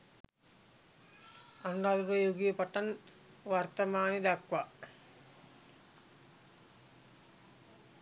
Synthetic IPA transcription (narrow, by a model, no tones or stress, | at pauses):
ɐnaːd̪ukɐjoːɡijɐpɐʈːɐn | ʋɐrt̪ɐmaːnid̪ɐkʋɐ